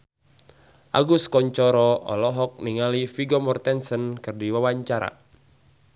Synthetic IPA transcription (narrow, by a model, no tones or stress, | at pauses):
ʔa̰ɡuskɔɲt͡ʃɔɾɔʔɔ̰lɔɦɔk̚niŋalifiɡɔmɔrt̪ɛnsənkɨrdiwawaɲt͡ʃaɾa̰